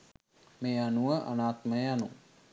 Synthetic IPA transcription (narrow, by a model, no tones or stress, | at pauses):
meːanuʋəʔa̰naːt̪məjəjanu